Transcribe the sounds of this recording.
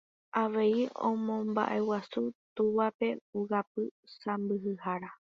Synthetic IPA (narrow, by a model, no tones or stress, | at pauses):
aʋe̞iõ̰mõ̞mba̰ʔe̞wasut̪uʋape̞uɣap̚ɨsãmbɨɦɨhaɾa